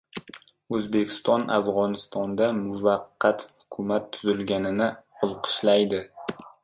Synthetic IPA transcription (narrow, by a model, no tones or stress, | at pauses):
ɵzbe̞kʲɪ̥st̪ɒnafʁɒnɪst̪ɒnd̪amʊvɑqːɑt̪hʊ̥kʰʊmat̪ʰːʊzɪlɡʲanɪnɪqʰʊlˠqʰɨ̥ʃlajd̪ɪ